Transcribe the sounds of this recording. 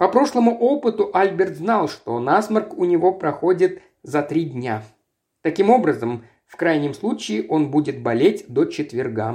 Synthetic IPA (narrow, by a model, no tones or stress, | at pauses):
pɐpɾo̞ʂlˠəmʊʔo̞pɨt̪ʊʔalʲbʲɪrt̪znɑlˠʂt̪o̞nasmərkʊnʲɪvo̞pɾɐxo̞dʲɪt̪ | zɐt̪ɾʲidʲnʲa | t̪ɐkʲimo̞bɾəzəm | fkɾajnʲɪmslˠut͡ɕɪːʔo̞nbudʲɪt̪̚bɐlʲetʲd̪ot͡ɕɪt̪vʲɪrɡa̰